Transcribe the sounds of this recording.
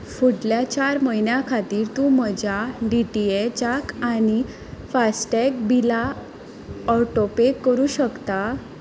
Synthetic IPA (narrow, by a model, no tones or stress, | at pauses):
fuɽljat͡ɕaɾməinjakʰat̪iːɾt̪ũməd͡ʑaɖiʈiet͡ɕakani | fasʈek̚bila | ɔʈopekːəɾuːɕəkt̪a